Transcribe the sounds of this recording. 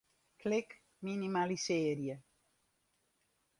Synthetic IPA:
klɪk | minimaliseːɾjə

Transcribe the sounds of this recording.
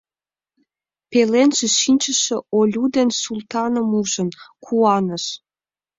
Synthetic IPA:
pelenʒĕʃinʲt͡ɕə̆ʃĕolʲud̪ensult̪ɑnəmuʒə̆nkʰuɑnəʃ

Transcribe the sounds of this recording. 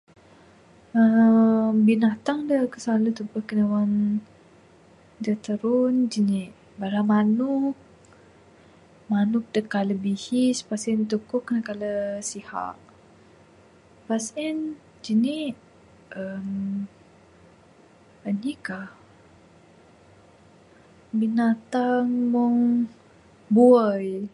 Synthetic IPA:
əmbinat̪aŋdəkəsalut̪əmpəhkənawan | dət̪əɾʊnd͡ʒəniʔ | baɾamanʊk̚ | manʊk̚dəkaləbihispasɛnt̪ukʊkːənakaləsiha̰ʔ | pasin | d͡ʒəniʔ | ʔəm | ənikah | binat̪aŋmuŋ | buəj

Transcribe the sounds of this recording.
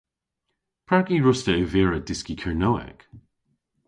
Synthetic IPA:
pʰɹ̥akiɹʊstəʉvɛːɹəd̥ɪskikʰəɹnowɛ̰k

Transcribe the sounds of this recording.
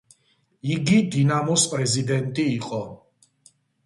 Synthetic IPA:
iɡid̪inamɔspʼɾɛzid̪ɛnt̪ʼiːqʼɔ

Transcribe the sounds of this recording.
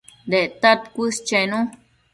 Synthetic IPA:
d̪et̪at̪̚kʷist͡ʃenũ

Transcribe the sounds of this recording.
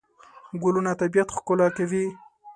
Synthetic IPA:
ɡʊlunat̪abijat̪xkʊlɑkawi

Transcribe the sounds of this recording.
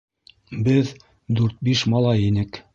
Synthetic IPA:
bɘð | d̪ʉɾt̪̚biʃmɑlˠɑjinɘk

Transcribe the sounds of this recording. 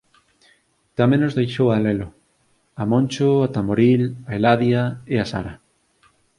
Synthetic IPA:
t̪amẽnnozðejʃowalɛlʊ | amõnt͡ʃoat̪amoɾilaelaðjaeasa̰ɾɐ

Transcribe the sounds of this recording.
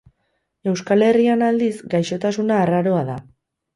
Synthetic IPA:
e̞wskale̞rianald̪izɡajʃo̞t̪asunaːraɾo̞aða

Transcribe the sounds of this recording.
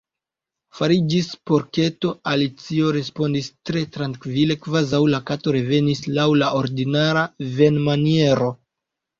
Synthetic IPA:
faɾid͡ʒispo̞ɾke̞to̞alit͡sio̞ɾe̞spo̞ndistɾe̞tɾaŋkvile̞kvazawlakato̞ɾe̞ve̞nislawlaʔo̞ɾdinaɾave̞nmanie̞ɾo̞

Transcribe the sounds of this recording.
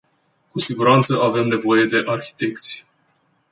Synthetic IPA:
kusiɡuɾant̪səave̞mne̞vo̞je̞d̪e̞ʔarçi̥t̪e̞kt̪sʲ

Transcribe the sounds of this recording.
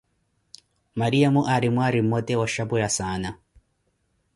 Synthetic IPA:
maɾijamuʔaɾimwaɾimːɔtɛwaʃabujasana

